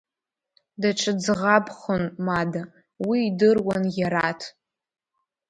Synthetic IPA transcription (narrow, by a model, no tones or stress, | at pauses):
daʈ͡ʂʰɨd͡zʁabχonmada | wiːdɨrwanjaɾatʰ